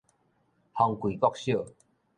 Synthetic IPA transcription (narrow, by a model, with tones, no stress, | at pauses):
hɔ˧ŋkwi˨kɔ˦k̚ɕjo˥˨